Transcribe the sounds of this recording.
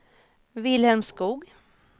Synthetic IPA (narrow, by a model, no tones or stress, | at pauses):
vɪlhɛmskuːɡ